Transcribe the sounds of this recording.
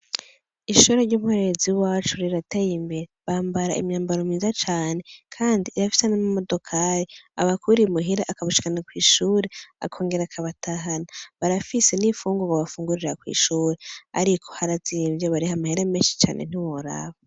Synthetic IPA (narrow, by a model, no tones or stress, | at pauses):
iʃuɾeɾɟuːmhoɾe̞ziwaːt͡ʃuɾiɾatajimbeɾeβaːmbaɾaʔḭmɲaːmbaɾomiːzat͡ʃaːne̞kʰaːndiʔːɾafi̥senamamo̞do̞kʰaɾiaβakʰuɾimuɦiɾaʔakaβaʃi̥kanakwiːʃuːɾea̰kʰo̞ːŋɡe̞ɾakʰaβatʰaɦanaβaɾafisenifuːŋɡoβaβafuːŋɡuɾiɾakwḭːʃuːɾea̰ɾikʰo̥haɾaziːmjeβaɾihamaheɾemeːnʃi̥t͡ʃa̰ːnʔḛn̥iwoɾa̰βa